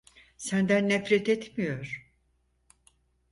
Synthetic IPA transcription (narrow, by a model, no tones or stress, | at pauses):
sænd̪ænːɛfɾɛt̪et̪ʰmijoɾ̥